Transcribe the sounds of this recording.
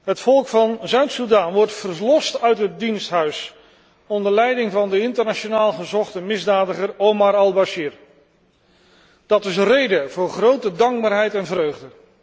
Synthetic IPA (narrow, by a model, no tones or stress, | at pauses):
ɦətfɔlˠkfɑnzœɥtsudaːnʋɔɹtfərlɔstœɥtɦət̚dinstɦœɥs | ɔndəɹlɛjdɪŋvɑndəɪntəɹnat͡ʃonaːlˠχəzɔχtəmɪzdaːdəχərowmaɾɑlˠbaʃiːr | d̥ɑtɪsrejdəv̥ʊːɹχrowtədɑŋɡ̚baːɹɦɛjtɛnvrøɥχdə